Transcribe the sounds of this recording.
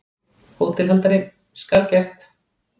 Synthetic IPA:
hot̪ʰɪlɦɛnt̪aɾɪ | skaɾcɛr̥t̪

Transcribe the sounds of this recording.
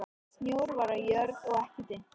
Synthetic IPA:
snjoːwɾvaɾajœɾðɔɣɛhcɪt̪ɪ

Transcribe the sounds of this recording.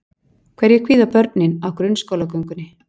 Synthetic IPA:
kʰvɛɾjɛkʰviːðapœɾt̪̚nɪnawkɾʏnːskowlakœŋkʏnːɪ

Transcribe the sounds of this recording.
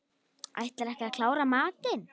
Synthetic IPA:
a̰jht̪laɾɛhcɪakʰl̥aːwɾamaːt̪ɪn

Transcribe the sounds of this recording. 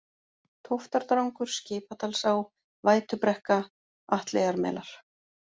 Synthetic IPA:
t̪ʰowft̪aɾt̪ɾawŋkʏɾ̥scɪːpat̪ʰalsaːw | vaːjt̪ʏpɾɛhka | aht̪leːjɣaɾmɛ̰laɾ̥

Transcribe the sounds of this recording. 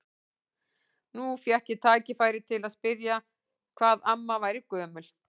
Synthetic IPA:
nufjahcɪt̪ʰaːcɪfaːjɾɪt̪ʰɪlaðspɪɾja | kʰv̥aːðamːavaːjɾɪkœːmʏl

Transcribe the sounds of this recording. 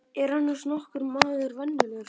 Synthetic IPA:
ɛɾ̥hanːḁsnɔhkʏɾmaːðʏɾvɛnːɪlʏɾ

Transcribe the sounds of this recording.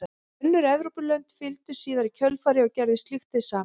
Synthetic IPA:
nːʏɾɛvɾupʏlœnt̪fɪlt̪ʏ̥siːðaɾicʰœlfaːɾɪɔwcɛɾðɪst̪lɪxt̪ɪsaː

